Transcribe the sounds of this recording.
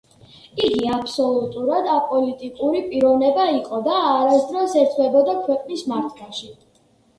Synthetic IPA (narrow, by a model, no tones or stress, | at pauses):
iɡiapʰsɔlˠut̪ʼuɾad̪apʼɔlit̪ʼikʼuɾipʼiɾɔvnɛbaiqʼɔd̪aːɾasd̪ɾɔsɛɾt̪ʰwɛbɔd̪akʰwɛqʼnismaɾt̪ʰɡʰaʃi